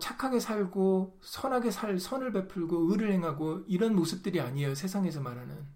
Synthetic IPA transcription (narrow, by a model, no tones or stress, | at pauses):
t͡ɕʰakʰaɡe̞sʰaɭɡo | sʰʌnɦaɡe̞sʰaɭsʰʌnɯɭpe̞pʰuɭɡoɯɾɯɭhe̞ŋɦaɡoiɾʌnmosʰɯp̚t͈ɯɾiaɲiejosʰe̞sʰaŋe̞s̬ʰʌmaɾɦanɯ̰n